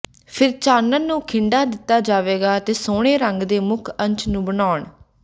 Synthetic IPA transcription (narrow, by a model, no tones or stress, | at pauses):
pʰɪɾt͡ʃaːnənːũːkʰɪɳɖaːd̪ɪt̪ːaːd͡ʒaːʋeːɡaːt̪eːsoːɽ̃eːɾəŋɡd̪eːmʊkʰə̃ɲt͡ʃnũːbənaːɳ